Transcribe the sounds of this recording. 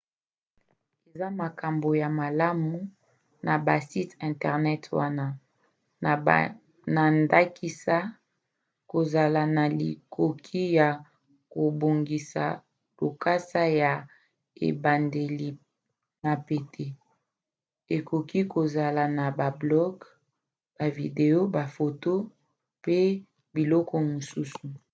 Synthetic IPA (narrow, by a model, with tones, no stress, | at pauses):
e˨za˦ma˨ka˨mbo˨ja˨ma˨la˦mu˨ | na˨ba˨si˦tɛ̃˨ntɛ˨ʁnɛ˦twa˦na˦˨ | na˨nda˦ki˦sa˦ | ko˨za˨la˨na˨li˨kʰo˨kʰi˦ja˨ | ko˨bo˨ŋɡi˨sa̰˨ | lo˨ka˦sa˦ja˨ | ḛ˨ba˨nde˨li˨ | na˨pe˨tʰe˨ | e˨ko˨ki˦ko˨za˨la˨na˨ba˨blɔ˦ɡ | b̥a˨vi˨de˨o˦ba˨fo˨to˦ | pe˦ | bi˨lɔ˦kɔ˦mo˨su˦su˨